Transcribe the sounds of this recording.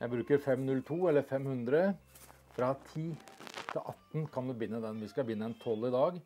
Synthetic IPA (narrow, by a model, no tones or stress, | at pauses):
jæɪbɾʉːkəɾfɛmnʉlt̪ʰuːɛlːəɾfɛmhʉnd̪ɾə | fɾɑt̪ʰiːt̪ʰɪlʔɑt̪ːnkʰɑnd̪ʉbɪnːəd̪ɛnʋɪskɑʋɪnːəɛnt̪ʰɔlːɪd̪ɑːɡ